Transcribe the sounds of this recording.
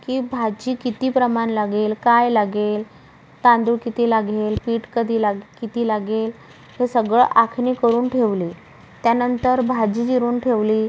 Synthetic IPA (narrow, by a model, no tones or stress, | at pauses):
kiːbʱad͡ʑiːkit̪iːpɾəmanlaɡelkajlaɡel | t̪ãnd̪uːkit̪iːlaɡelpiːʈkəd̪ʱiːlaɡkit̪iːlaɡel | ɦesəɡɭəʔakʰniːkəɾuːnʈʰeʋliː | t̪janənt̪əɾbʱad͡ʑiːd͡ʑiɾuːnʈʰeʋliː